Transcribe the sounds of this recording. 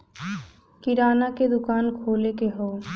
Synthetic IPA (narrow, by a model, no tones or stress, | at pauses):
kɪɾaːnaked̪ʊkaːnkʰoːlekeɦoː